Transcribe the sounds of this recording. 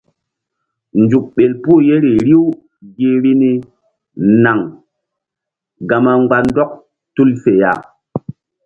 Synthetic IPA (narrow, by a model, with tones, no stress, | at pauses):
nd͡ʒu˨k̚ɓe˨lpu˦˨je˦ɾi˨ɾi˦w | ɡi˦ɾi˦ni˦ | na˨ŋ | ɡa˨ma˨ŋɡ͡ba˨ndɔ˦k̚ | tu˦lfe˨ja̰˨